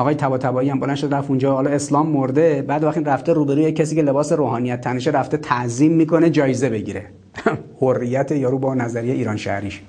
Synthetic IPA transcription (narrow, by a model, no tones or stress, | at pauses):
ɒɣɒːjet̪ʰæbɒːt̪ʰæbɒːijæmbolænʃod̪ɾæfund͡ʒɒːhɒːlɒeslɒːmːo̞ɾd̪e̞bæːd̪oæxt̪inræft̪eɾuːbe̞ɾuːjecʰːesiːcʰe̞le̞bɒːseɾoːɦɒːnijæt̪ʰːæneʃ̬eɾæft̪e̞t̪ʰæʔziːmːiːkʰo̞ne̞d͡ʒɒːjeze̞be̞ɟiɾḛ | horːijæt̪ʰejɒːɾuːbɒnæzæɾijeʔiːɾɒːnʃæ̰hɾiʃ